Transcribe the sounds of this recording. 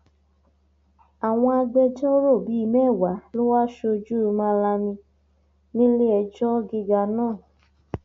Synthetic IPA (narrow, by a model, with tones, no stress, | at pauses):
a˨w̃ɔ̃˧a˧ɡ͡bɛ˧d͡ʒɔ˦ɾo˦˨bi˨˦i˦˧mɛ˦˨wa˨˦lo˦wa˦ʃo˧d͡ʒu˦˨˧mã˧˦la˧mĩ˧ | nĩ˦le˦ɛ˧d͡ʒɔ˦ɡi˧ɡa˧nãː˦˨